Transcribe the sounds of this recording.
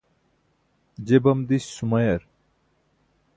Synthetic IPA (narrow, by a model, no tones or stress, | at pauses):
d͡ʑebɐmd̪iɕːumɐjɐɾ